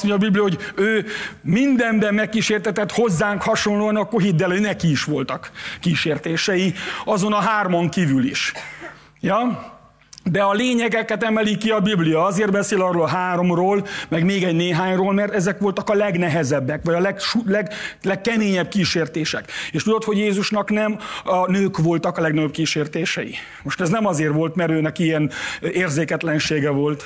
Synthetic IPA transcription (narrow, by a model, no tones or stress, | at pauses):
smoɲɟɒbiblijɒɦoɟøːmind̪ɛmbɛmmːɛkːiːʃeːrt̪ɛt̪ɛt̪ho̞zːaːŋkhɒʃo̞nloːɒnɒkːorɦid̪ːɛlønɛkiiʃʋo̞lt̪ɒkːiːʃeːrt̪eːʃɛjiɒzo̞nɒɦaːrmo̞ŋkivylḭʃ | jɒ | d̪ɛɒleːɲɛɡɛkɛt̪ɛmɛlikiɒbiblijɒɒzeːrd̪bɛseːlɒroːlɦaːɾo̞mroːlmɛɡmeːɡɛɟneːɦaːɲroːlmɛrt̪ɛzɛkʋo̞lt̪ɒkɒlɛɡnɛɦɛzɛbːɛkʋɒɟɒlɛɡʃulɛɡlɛkkːɛmeːɲɛb̚kiːʃeːrt̪eːʃɛkeːʃt̪ud̪o̞t̪hoɟjeːzuʃnɒknɛmɒnøːkʋo̞lt̪ɒkɒlɛɡnɒɟop̚kiːʃeːrt̪eːʃɛjḭ | mo̞ʃt̪ɛznɛmɒzeːrʋo̞lt̪mɛɾøːnɛkiɛneːrzeːkɛt̪lɛnʃeːɡɛvo̞lt̪